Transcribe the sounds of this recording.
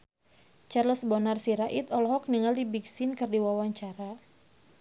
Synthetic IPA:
t͡ʃarləsbɔnarsiɾaʔit̪ɔlɔɦɔk̚niŋaldibiksɪnkɨrdiwawaɲt͡ʃaɾa

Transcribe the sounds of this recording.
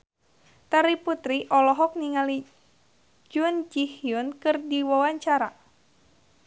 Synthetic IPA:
t̪aɾiput̪ɾiʔɔlɔɦɔk̚niŋali | d͡ʒʊnd͡ʒihjʊnkɨrdiwawaɲt͡ʃaɾa

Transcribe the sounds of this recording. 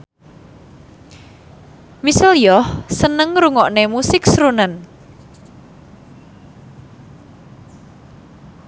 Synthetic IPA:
misəljɔhsənəŋɾuŋɔʔnemusɪksɾunən

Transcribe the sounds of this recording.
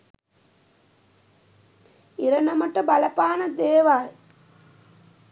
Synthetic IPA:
iɾɐnɐmɐʈɐbɐlɐpaːnɐd̪eːʋaːj

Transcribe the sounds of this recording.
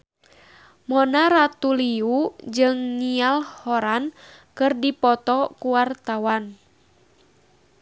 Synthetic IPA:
mɔnaɾat̪uliud͡ʒɨŋnialhɔɾan | kɨrdipɔt̪ɔkuwart̪awan

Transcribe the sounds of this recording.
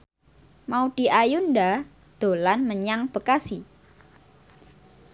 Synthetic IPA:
maud̥i̤ʔajunda | d̪̥o̤lanməɲaŋb̥əkasi

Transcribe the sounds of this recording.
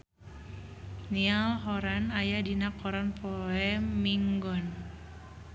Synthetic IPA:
nialɦɔɾanajadinakɔɾanpɔɛmmiŋɡɔn

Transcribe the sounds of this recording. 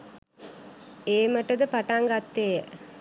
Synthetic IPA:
eːməʈəd̪əpaʈaŋɡat̪ːejə

